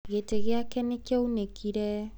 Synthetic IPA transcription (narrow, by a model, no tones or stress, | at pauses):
ɣeteɣeakɛnekɛunekʰiɾɛ